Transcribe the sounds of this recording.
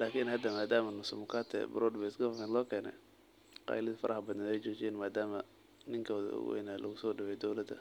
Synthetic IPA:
laːkʰiːnhɐd̪ɐmaːd̪aːmɐnʊsʊmʊkʰat̪ʰɛ̰bɐɾɔːd̪bɛɪskɐffɛnlɔːkʰɛːnɛ̰ | qɑ̰jlɪðɐfɐɾʔɐhɐbɐd̪ɐnɛjt͡ʃɔːt͡ʃɪjaːnmaːd̪aːmɐ | nɪŋkʰɔːðɐ̰ʊ̰ɣwɛ̰jnaːlʔɐ̰ɣʊsɔːɖɪwɛjd̪ɔwlɐd̪ɐ̰

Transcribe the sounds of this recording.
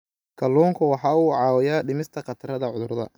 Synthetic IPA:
kʰɐlːuːŋkʰʊwɑħɑːuːʕɑːwɛjaːɖɪmɪst̪ʰɐqɑt̪ʰɐrɐðɐʕʊðʊrðɐ̰

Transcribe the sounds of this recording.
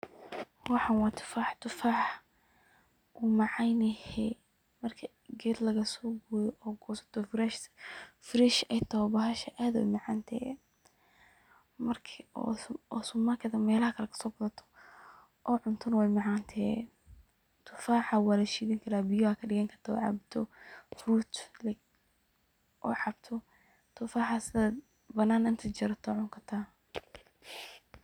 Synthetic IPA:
wɑħɑnwɑːt̪ʰɪ̥faːħt̪ʰʊfaːʕ | ʔuːmɑʕɑjnɐhɛ | mɐrkʰɐ | ɡɛːd̪lɐɣɐsɔːɡujɔʔɔːɡɔːsɐ̥t̪ʰɔfɾɛʃfɾɛʃɛjt̪ʰɐwbɐɦɐʃɐʔaːðɛ̰mɑʕɑːnt̪ʰɛ | mɐrkʰɔ̰ɔsʊmɐkʰɐðɐmɛːlɐhɐkʰɐlɛkʰɐ̥sɔːbɐðɐt̪ʰɔ̥ | ʔɔːʕʊnt̪ʰɔnɐwɛjmaʕant̪ʰɛː | t̪ʰʊfaːħawɑːlɐʃiːðɪŋkʰɐɾaːbɪjɔakʰɐɖɪɣɐŋkʰɐrt̪ʰaɔ̰ʕɑ̰bt̪ʰɔfruːt̪l | ʔɔ̰ːʕɑbt̪ʰɔ | t̪ʰʊfaːħasɪða | bɐnaːnɪnt̪ʰɐt͡ʃɪɾɐt̪ʰɔʕʊŋkʰɐt̪ʰaː

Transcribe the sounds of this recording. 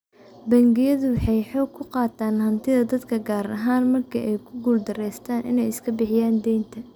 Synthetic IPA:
bɐŋɡɪjɐðʊwħɑjħɔːɡkʰʊqɑːt̪ʰaːnhɐnt̪ʰɪðɐd̪ɐd̪kʰɐɡaːɾɐ̰ɦaːnmɐrkʰɐʔɛjkʰʊɡuːld̪ɐrɛjst̪ʰaːnʔɪ̰nɛjɪskʰɐbɪħɪjaːnd̪ɛjnt̪ʰɐ

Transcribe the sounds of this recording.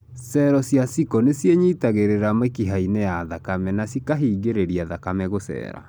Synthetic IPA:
sɛɾɔsjasikɔnesjeɲitaɣeɾeɾamekiɦainejaðakamɛnasikaɦiːɡeɾeɾiaðakamɛɣosɛ̰ːɾa̰

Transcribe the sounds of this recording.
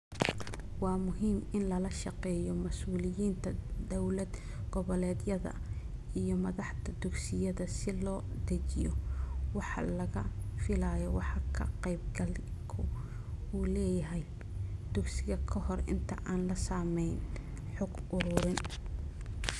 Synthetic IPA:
wɑːmʊɦiːmɪnlɐlɐʃɑqɛːjɔmɐsuːlɪjiːnt̪ʰɐd̪ɔwlɐd̪ | ɡ̥ɔβɔlɛːd̪jɐðɐ̰ijɔmɐðɑħt̪ɐd̪ʊɡsɪjɐðɐsɪlɔːd̪̥ɐt͡ʃɪjɔwɑħɑ̰lɐɣɐfɪlaːjɔwɑħɑkʰɐqɛjb̚ɡɐlkʰʊ | uːlɛːjɐɦɛj | d̪̥ʊɡsɪɣɐkʰɐhɔrɪ̰nt̪ʰɐ̰ʔaːnlɐsaːmɛjn | ħʊɡʊɾʊɾɪn

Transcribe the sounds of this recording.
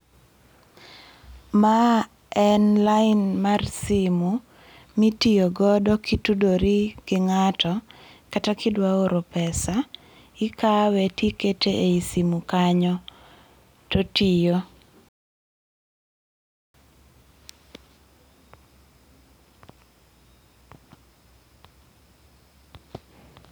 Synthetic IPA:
ma | ɛnlaɪnmarsimu | mitijoɡɔdɔkitudoɾiɡ̥ɪŋatɔkatakɪdwaoɾopɛsa | ɪkawɛtiketeʔeisimukaɲɔ | totijo

